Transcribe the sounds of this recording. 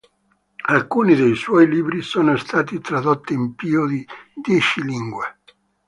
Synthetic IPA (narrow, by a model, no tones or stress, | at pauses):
alkuːnid̪ejswɔjliːbɾisɔːnost̪ʰaːt̪it̪ɾad̪ot̪ːiːmpiːod̪id̪jɛt͡ʃiliŋɡwe